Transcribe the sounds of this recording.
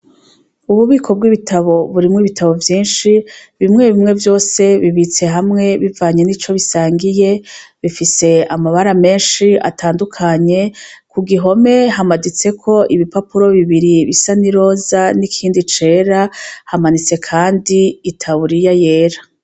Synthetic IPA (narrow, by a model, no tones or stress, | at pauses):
uβuβiːkʰo̞b̚ɡiβitʰaβo̞βuɾimŋiβitʰaβo̞vjiːnʃiβimŋe̞βimŋe̞vjo̞ːse̞βiβit͡se̞ɦamŋe̞βivaɲe̞nit͡ʃo̞βisaːŋɡije̞βifise̞amaβaɾame̞ːnʃia̰tʰaːndukʰaɲe̞kuɡiɦo̞me̞ɦamadit͡se̞kʰo̞ʔiβipapuɾo̞βiβiɾiβisaniɾo̞ːzanikʰiːndit͡ʃe̞ːɾahamanit͡se̞kʰaːndiːtʰaβuɾijaje̞ːɾa